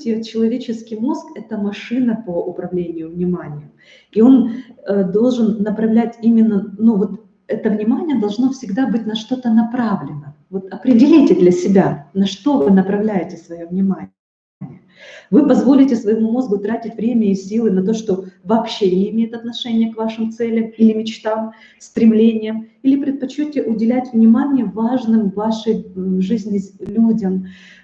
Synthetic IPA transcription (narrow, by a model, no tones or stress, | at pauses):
tʲɪət͡ɕːɪlˠɐvʲet͡ɕɪskʲɪjmo̞skɛt̪əmɐʂɨnəpəʔʊpɾɐvlʲenʲɪjʊvnʲɪmanʲɪjʊ | io̞nəd̪o̞lˠʐɨnːəpɾɐvlʲætʲimʲɪnːənuvo̞t̪ | ɛt̪əvnʲɪmanʲɪjəd̪ɐlˠʐno̞fsʲɪɡd̪abɨt̚ʲnɐʂt̪o̞t̪ənɐpɾavlʲɪnəvo̞t̪ɐpɾʲɪdʲɪlʲijtʲɪd̪lʲɐsʲɪbʲanɐʂt̪o̞vɨnəpɾɐvlʲæjɪtʲɪsvɐjovnʲɪma | nʲɪjə | vɨpɐzvo̞lʲɪtʲɪsvəjɪmumo̞zɡʊt̪ɾatʲɪtʲvɾʲemʲəɪsʲilˠɨnɐt̪o̞ʂt̪o̞vɐːpɕːenʲɪːmʲejɪt̪ɐt̪nɐʂɛnʲɪjəkvaʂɨmt̪sɛlʲɪmilʲɪmʲɪt͡ɕt̪am | sʲt̪ɾʲɪmlʲenʲɪjəmilʲɪpɾʲɪt̪̚pɐt͡ɕːotʲɪʔʊdʲɪlʲætʲvnʲɪmanʲɪjəvaʐnɨmvaʂəjʐɨzʲnʲɪlʲudʲəm